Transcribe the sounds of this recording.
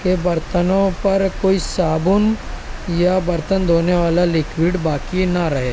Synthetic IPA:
kebɐɾt̪ənõpɐɾkoːisaːbʊnjabɐɾt̪ənd̪ʱoːneʋaːlalɪkwiːɖbaːkinaɾɐɦeː

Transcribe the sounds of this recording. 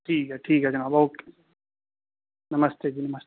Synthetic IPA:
ʈʰiːkɦɛʈʰiːkɦɛd͡ʒɐnabɐuk | nɐməst̪ed͡ʑiːnɐmɐst̪

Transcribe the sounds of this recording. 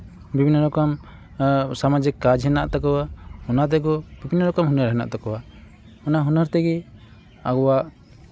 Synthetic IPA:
bibʱinːɔɾɔkɔm | samad͡ʒikːad͡ʒɦɛnaʔt̪akɔwahɔnat̪̬ɛɡɔbibʱinːɔɾɔkɔmɦunəɾɦɛna̰ʔt̪ɔkɔwa | ɔnaɦunəɾt̪ɛɡɛ | aɡɔwaʔ

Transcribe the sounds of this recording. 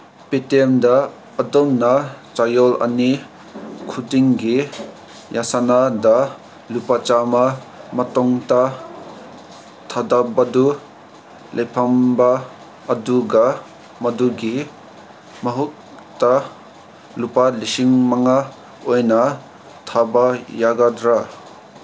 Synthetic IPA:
petemdaː | dɔmnat͡ʃajɔlɐ̰ni | kʰudiŋɡi | jasanada | lupat͡ʃama | mɐtɔŋta | tʰadabadu | lʔejpʰambaː | duɡa | mɐduɡi | mɐɦut̚ | ta | lupalisiŋmaŋa | ojna | tʰabajaɡadɾa

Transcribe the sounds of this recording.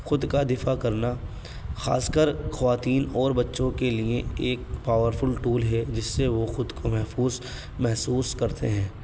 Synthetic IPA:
xʊd̪kad̪ɪfakɐɾna | xa̰ːskəɾxɐʋaːt̪iːnɔːɾbɐtːʃõkelieeːk̚paːʋəɾfʊlʈuːlɦɛd͡ʒɪsːeʋoxʊd̪komɛɦfuːz | mɛɦsuːskɐɾt̪ḛɦɛ̃ː

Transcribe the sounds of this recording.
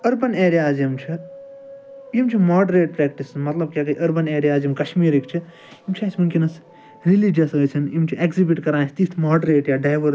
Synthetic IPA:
ɐɾbɐneːɾijaːzjɐmt͡ʃʰi | imt͡ʃʰimaːɖɾeːʈ̚pɾeːkʈismɐt̪lɐb̚kʲjaːkɐiʔɐɾbɐneːɾijaːzjimkɐʃmiːɾikt͡ʃʰi | imt͡ʃʰaːsmɐnkinɐs | ɾilid͡ʒjɐsɡɐt͡ʃʰɐnimt͡ʃʰiʔekzibiʈkɐɾãːsʰt̪iːst̪ʰmaːɖɾeːʈjaɖaːjʋəɾ

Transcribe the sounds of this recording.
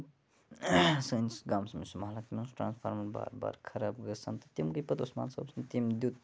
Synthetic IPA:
sənsɡamsɐmisumɦalak̪imesʈɾa̰nspʰa̰ɾmɐnba̰ɾba̰ɾkʰɐɾab̚ɡəɾt͡sʰɐnt̪ɐt̪imkəjpəd̪osma̰nsɐ̰bsʰnt̪imd̪jut̪

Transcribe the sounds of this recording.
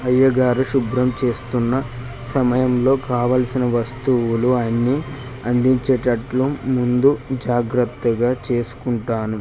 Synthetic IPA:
ɦɐjːɐɡaːɾuʃubɾɐmt͡ʃe̞ːst̪unːɐ | sɐmɐjɐmlo̞ːkaːʋaːlsinɐʋɐst̪uwuluɐnːiː | ɐnd̪iɲt͡ʃeʈɐʈlumund̪ud͡ʒaːɡɾɐt̪ːɐɡaːt͡ʃe̞ːsu̥kuɳʈaːnu

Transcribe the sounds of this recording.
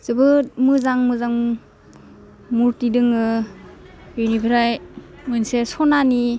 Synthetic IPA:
z̥ɯbɯmɯzaŋmɯzaŋ | muɾtidɯŋɯ | ijnibʱiɾajmɯjnsesɔnani

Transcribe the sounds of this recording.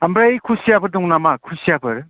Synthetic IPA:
ɐmbɾajkʰusijabʰɯɾdɔŋnamakʰusijabɯɾ

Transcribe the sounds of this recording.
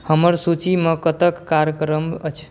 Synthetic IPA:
həməɾsut͡ʃimekət̪əkːaɾjəkɾəmət͡ʃʰ

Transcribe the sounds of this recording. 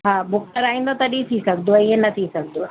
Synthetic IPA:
ɦãːbʊk̚ʈəɾaːĩːn̆d̪ot̪ɐɗit̪ʰisɐɡd̪oiɦẽnɐt̪ʰisɐɡ̚ʱd̪o

